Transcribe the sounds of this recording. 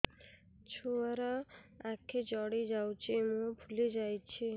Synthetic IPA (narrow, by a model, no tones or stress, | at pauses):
t͡ʃʰuaɾaakʰed͡ʒɔɽid͡ʒawt͡ʃʰimũbʱuled͡ʒajt͡ɕʰi